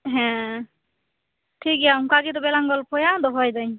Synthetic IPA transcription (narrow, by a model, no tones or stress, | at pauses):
ɦɛ̃ | tʰikjaŋkaɡit̬ɔbɛlaŋɡɔlpʰɔjad̪ɔɦɔjzaj